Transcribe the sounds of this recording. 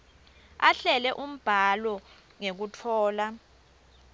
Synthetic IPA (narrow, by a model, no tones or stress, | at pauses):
aɬɛlɛʔum̩b̥ʱalɔ | ŋek̬utʰɔːla